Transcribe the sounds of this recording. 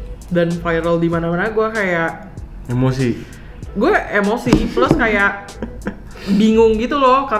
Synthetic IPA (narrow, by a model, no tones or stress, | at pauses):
danfajɾaldimanamanaɡuakajaʔ | emosi | ɡuaʔemosiplʊskajaʔ | biŋʊŋɡit̪ulɔka